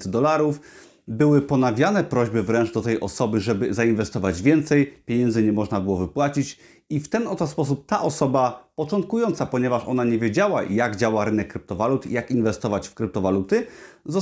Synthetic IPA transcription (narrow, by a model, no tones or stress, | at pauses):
d̪ɔlaɾuf | bɘwɘpɔnavʲjanɛpɾɔʑbɘvɾɛnʐd̪ɔt̪ɛjʔɔsɔbɘʐɛbɘzainvɛst̪ɔvad͡ʑvʲjɛnt̪sɛjpʲjeɲɛnd̪zɘɲɛmɔʐnabɘwɔvɘpwat͡ɕit͡ɕ | ift̪ɛnɔt̪ɔspɔsup̚t̪aʔɔsɔbapɔt͡ʂɔnt̪̚kujɔnt̪sapɔɲɛvaʂɔ̰naɲevʲjed͡ʑawajaɡd͡ʑawaɾɘnɛkːɾɘp̚t̪ɔvalut̪ḭjakinvɛst̪ɔvat͡ɕfkɾɘp̚t̪ɔvalut̪ɘzɔ